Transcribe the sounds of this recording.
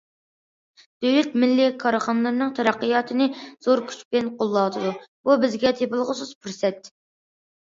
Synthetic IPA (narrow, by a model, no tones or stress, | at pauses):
d̪̥øwlɛt̪̚mɪlːɪkʰɑɾχɑnɨlˠɨɾnɨŋt̪ʰɛɾæqːəjɑːt̪ʰɨnɨz̥oɾkʲʰy̥t͡ʃbɪnqʰolˠːɑd̪ɨd̪ububɪzɡʲɛt̪ʰepɨlˠʁəsɨz̥pʰyɾsɛt̪